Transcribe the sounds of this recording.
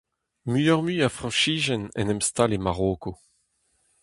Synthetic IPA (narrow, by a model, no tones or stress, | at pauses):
myœʁmyːafʁɑ̃ʃiːʒɛnɛ̰nɛmst̪alemaʁoːko